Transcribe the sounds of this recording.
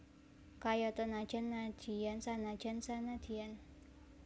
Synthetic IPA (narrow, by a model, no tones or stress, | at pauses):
kajɔt̪ɔnḁʒ̥a̤nːad̪̥ijansanḁd͡ʒ̥a̤nsanad̪̥ian